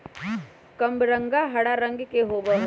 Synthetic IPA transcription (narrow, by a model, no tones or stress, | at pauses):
kɐmbɾə̃ŋɡaɦɐɽaɾə̃ŋɡkeɦoːbəɦ